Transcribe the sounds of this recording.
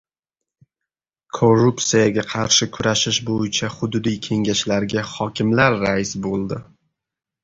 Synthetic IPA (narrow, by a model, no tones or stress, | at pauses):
kʰoɾup̪sijaɡʲaqʰɑɾʃɪkʲʰʊɾaʃɪʃbojɪt͡ʃʰaχʊd̪ʊd̪ijkʲʰe̞ŋɡʲaʃlaɾɡʲahɒkʲʰɪmlaɾːaɪsbolˠd̪ɪ